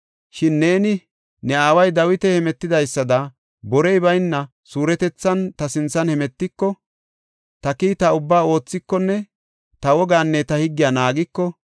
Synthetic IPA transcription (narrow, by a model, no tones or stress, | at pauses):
ʃɪnːe̞ːnɪ | nɛaːwɐjd̪ɐwɪt̪ɛhɛmɛt̪ːɪd̪ɐjsːɐd̪ɐ | bɔɾɛjbɐjnːɐ | suːɾɛt̪ɛt͡sːɐnt̪ɐsɪnt͡sːɐnhɛmɛt̪ːɪkːɔ | t̪ɐkiːt̪ɐʊbːaːo̞ːt͡sːɪkːɔnːɛ | t̪ɐwɔɡaːnːɛt̪ɐhɪɡːɪjanaːɡɪkːɔ